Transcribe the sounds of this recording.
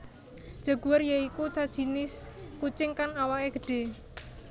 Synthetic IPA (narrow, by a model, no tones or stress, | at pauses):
d̥ʒ̥a̤ɡ̥uwərjəikut͡ʃad̥ʒ̥i̤nɪskut͡ʃɪŋkanawaʔeɡ̥ə̤ɖ̥e̤